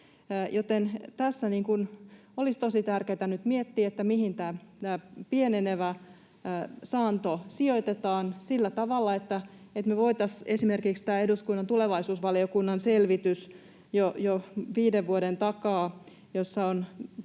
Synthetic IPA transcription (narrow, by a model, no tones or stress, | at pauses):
jot̪ent̪æsːæniːŋkun | olist̪osit̪ærkeːt̪ænyt̪miet̪ːiːet̪ːæmihint̪æːt̪æːpieneneʋæː | sɑːnt̪osioit̪et̪ɑːnsilːæt̪ɑʋɑlːɑet̪ːæ | et̪meʋoit̪ɑsesimerkikst̪æːeduskunːɑnt̪uleʋɑisuːsʋɑliokunːɑnselʋit̪ys | jojoʋiːdeʋʋuodent̪ɑkɑː | josːɑon